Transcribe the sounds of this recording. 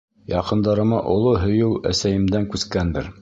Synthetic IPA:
jɑqɤ̆nd̪ɑɾɤ̆mɑʔŏlˠoɦɵ̆jɘwæ̰sæjɘ̆md̪æŋkʉskænd̪ɘɾ

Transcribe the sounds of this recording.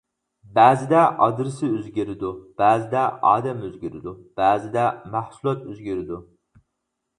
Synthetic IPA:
bæːzɪd̪ɛʔɑd̪ɾɪsɪøzɡʲɪɾɪd̪ub̥æːzɪd̪ɛɑ̰ːd̪ɛmøzɡʲyɾɪd̪ub̥æːzɪd̪ɛmæhsulˠɑt̪øzɡʲyɾɪd̪u

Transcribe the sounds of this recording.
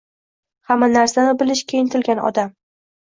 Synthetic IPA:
hamːanaɾsanɪbɪlɪʃkʲʰejɪnt̪ʰɪlɡʲanɒ̰d̪am

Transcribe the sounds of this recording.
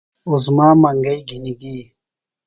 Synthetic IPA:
uzmaːmɐŋɡɐjɡʱiniɡiː

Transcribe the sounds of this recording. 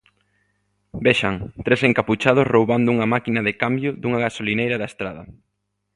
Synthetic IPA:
bɛʃaŋt̪ɾeseŋkaput͡ʃað̞ʊsrowβand̪ʊuŋɐmakinɐðɪkambjʊðuŋɐɣasolinejɾɐðaest̪ɾaðɐ

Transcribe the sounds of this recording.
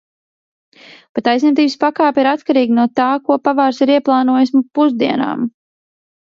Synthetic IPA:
pat̪ːajzniɛt̪iːbspakaːpʲiɾat̪kaɾiːɡinuɔt̪aːkuɔpavaːɾsiɾiɛplˠɑːnuɔjisʲmpuzd̪iɛna̰ːm

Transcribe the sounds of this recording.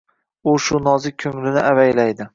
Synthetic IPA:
ʊʃʊnɒzɪkʲʰɵŋlɪnɪʔavajlajd̪ɪ

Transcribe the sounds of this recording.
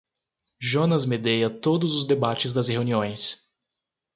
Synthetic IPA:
ʒonɐzmed̪ejɐt̪od̪ʊzʊzd̪ebat͡ʃɪzd̪ɐsheuniõj̃s

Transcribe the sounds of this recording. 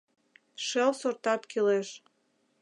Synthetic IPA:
ʃelsort̪ɑt̪kileʃ

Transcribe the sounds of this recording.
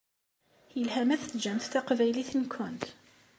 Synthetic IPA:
jəlhæmæθθd͡ʒæmθθæqvæjliθnkʰːʊnt̪

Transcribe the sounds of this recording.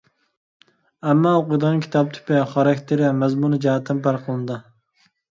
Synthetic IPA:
ɛmːɑoqʊjd̪əʁɑnkʲʰi̥t̪ʰɑp̚t̪ʰy̥pɪχɑɾɑkʲt̪ʰɪɾɪmɛzmunɨd͡ʒɑɦɛt̪ʰːɪnpʰɑɾqʰəlˠɨnɨd̪ɨ

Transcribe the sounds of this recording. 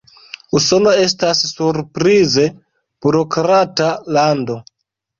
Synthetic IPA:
uso̞no̞e̞stasːuɾpɾize̞ | b̥uɾo̞kɾatalando̞

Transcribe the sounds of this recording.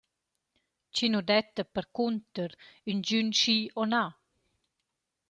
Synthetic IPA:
t͡ɕinud̪ɛt̪əpəɾkunt̪əɾynd͡ʑynʃiɔna

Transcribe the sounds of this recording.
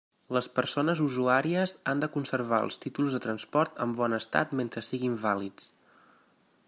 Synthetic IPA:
ləspəɾsonəzuzuaɾiəzand̪əkunsəɾβ̞aə̰lˠst̪it̪ulˠzðət̪ɾənspɔɾt̪ə̰mbɔnəst̪a̰t̪ment̪ɾəsiɣimbalit͡s

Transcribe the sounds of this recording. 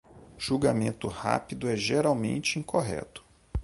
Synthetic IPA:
ʒ̥uɡamẽnt̪ʊha̰pid̪ʊɛʒeɾawmḛ̃nt͡ʃɪĩŋkʰoɦɛ̰t̪ʊ̥

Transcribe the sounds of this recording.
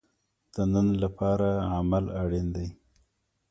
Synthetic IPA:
d̪̥ənənlapɑɾaamalaɽend̪aj

